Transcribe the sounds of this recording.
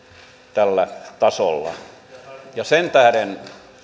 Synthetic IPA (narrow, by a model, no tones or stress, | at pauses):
t̪ælːæt̪ɑso̰lːɑ̰ | jɑsent̪æhæɾen